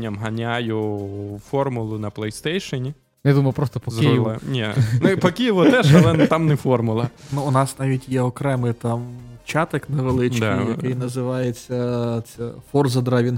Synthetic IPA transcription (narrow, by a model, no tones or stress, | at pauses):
ɐmɦɐnʲajʊfɔrmʊlˠʊnɐplˠɛjst̪ɛjʃɔnʲi | jad̪umɐjʊupɾɔst̪ɔpɔzʲɪilˠɛnʲɛnʊipɔkʲijɪʋɔt̪ɛʃɐlɛt̪ɑmnɛfɔrmʊlˠɐnuːnɑsnɑʋʲitʲjɛɔkɾɛmɪjt̪ɑmt͡ʃɑt̪ɐkneʋelˠɪt͡ʃd̪ɪjɐkɪjnɐzɪʋɑjet͡sʲːɐt̪sɛfɔrzɐd̪ɾɑʋʲin